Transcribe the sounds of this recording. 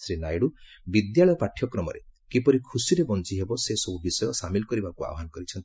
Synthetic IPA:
sɾinajɽu | bid̪jaɭɔjɔpaʈʰjɔkɾɔmɔ̰ɾḛkipɔɾikʰusiɾebɔnt͡ʃiɦebɔsesɔbubisɔjɔsamilɔkɔɾibakua̰wɔɦanɔkɔɾit͡ʃʰɔnt̪i

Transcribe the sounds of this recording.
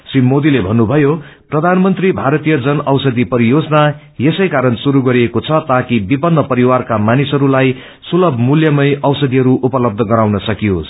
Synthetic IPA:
srimːod̪ilebʱʌnːubʱʌjoprʌd̪ʱanmʌnt̪ribʱaɾʌt̪ijʌd͡zʌnʌwsʌd̪ipʌɾijod͡zʌna | jesʌjkaɾʌnsuɾuɡʌɾiekot͡sʰʌt̪akibipʌnːʌpʌɾiwarkamanisɦʌɾulaj | sulʌbʱmuljʌmʌjʌwsʌd̪iɦʌɾuʔupʌlʌb̚d̪ʱʌɡʌɾawnʌsʌkijos

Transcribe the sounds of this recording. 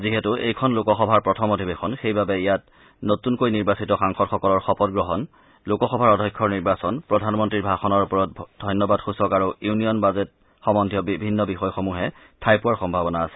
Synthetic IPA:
ziɦɛtʊʔejkʰɔnlokɔxɔbʱaɹpɹɔtʰɔmodʱibexʰɔnxejbabɛijat | notunkojniɹbasitɔxaŋxɔtxɔkɔlɔɹxɔpɔtɡɹɔɦɔn | lʊkɔxɔbʱaɹɔdʱɔjkʰːɔɹniɹbasɔnpɹɔdʱanmɔntɹiɹbʱaxɔnɔɹupɔɹɔt̚dʱɔjnjɔbadxusɔkaɹujunijɔnbazɛt | xɔmɔndʱijɔbibʱinːɔbixɔjxomuɦɛ | tʰajpuwaɹxɔmbʱabɔnaːsɛ̥

